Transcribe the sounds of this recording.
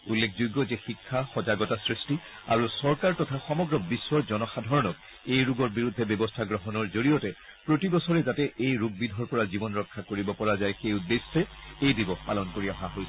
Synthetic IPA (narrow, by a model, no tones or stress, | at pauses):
ulːekʰzujɡɔzɛxikʰːaxɔzaɡɔtasɹisti | a̰ɹusɔɹkaɹtɔtʰaxɔmɔɡɹɔbiswɔɹzɔnɔxadʱɔɹɔnɔk | ejɹuɡɔɹbiɹudʱːɛbjɔbɔstʰaɡɹɔɦɔnɔɹzoɹijɔtɛ | pɹotibɔsɔɹɛzatɛʔejɹuɡ̚bidʱɔɹpɔɹazibɔnɹɔkʰːakoɹibɔpɔɹazajxeʊdesɹɛejdibɔxpalɔnkoɹiaɦaɦojsɛ